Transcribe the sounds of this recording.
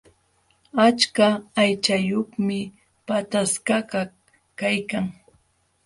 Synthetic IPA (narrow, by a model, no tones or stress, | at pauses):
at͡ʃkaːjt͡ʃajoχmɪ | pat̪askaɢa | kajkaŋ